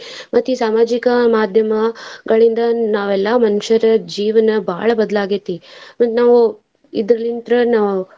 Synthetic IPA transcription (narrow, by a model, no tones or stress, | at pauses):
mɐt̪ːjusaːmaːd͡ʒikɐmaːd̪ʱjɐmɐɡɐɭind̪ɐnaːʋɛlːaːmɐnuʂɐɾɐd͡ʒiːʋɐnɐbʱaːɭɐbɐd̪ɐlaːɡit̪ːimɐt̪naːʋu | id̪ɾɐlint̪ɾɐnaːʋu